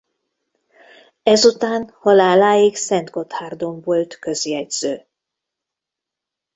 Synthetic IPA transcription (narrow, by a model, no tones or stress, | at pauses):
ɛzut̪aːnhɒlaːlaːiksɛnd̪ɡo̞t̪haːrd̪oɱvolt̪køziɛɟz̥øː